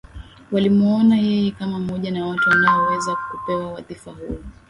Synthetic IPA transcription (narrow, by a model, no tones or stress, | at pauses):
walimɔɔnajɛjɛkamam̩mɔʄanawatuwanaɔwɛzakupɛwawaθifaɦu